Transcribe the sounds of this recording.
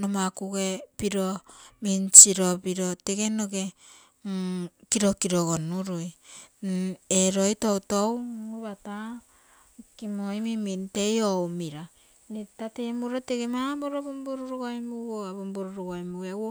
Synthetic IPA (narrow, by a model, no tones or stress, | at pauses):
nomakuɡepiɾomint͡ʃiɾopiɾoteɡenoɡe | kiɾokiɾoɡonuɾuj | eɾojtowtowuβata | kimojmimintejowmiɾa | nitatemuɾoteɡemaboɾobombuɾuɾuɡojmuwoabomboɾuɾuɡojmuawo